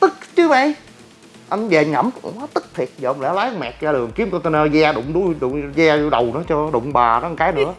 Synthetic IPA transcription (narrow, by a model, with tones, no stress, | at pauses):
t̪ɨ˦˥k̚t͡ɕɨ˨˦ma˧˩j | ʔa˧jnve˨˩ŋə̰˧˩m˨˩aː˨˦t̪ɨ˦˥k̚t̪ʰi˨˩ət̚zəː˨˧ŋ͡mlɛ̰˧˥˦wlaː˨˦ŋ͡mmɛ̰˨˩k̚zaː˧lɨ˨˩əŋki˨˦˥əmkɔ˧t̪ə˧nəː˧zaː˧ɗʊ̰˧˨ŋ͡mɗu˧˦jɗʊ̰˧˨ŋ͡mzɛː˧ju˧ɗə˨˩wnɨ̰˧˦ə˦t͡ɕɔ˧ɗʊ̰˧˨ŋ͡mɓaː˨˩nɔ˨˦˨kaː˨˦jnɨ̰˧˥ə